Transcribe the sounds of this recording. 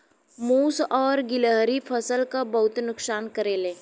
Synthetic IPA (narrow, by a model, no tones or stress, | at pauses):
muːsɔːɾɡɪləɦɾipʰəsəlkabɐɦʊt̪nʊksaːnkəɾeːlẽː